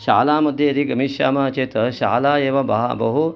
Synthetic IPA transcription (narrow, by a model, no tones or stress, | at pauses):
ʃaːlaːmɐd̪ʱːjeɐd̪iɡɐmiʃaːmaːt͡ʃeːt̪ɐʃa̰ːlaːeːʋɐbɐ̰ɦa̰bɐɦu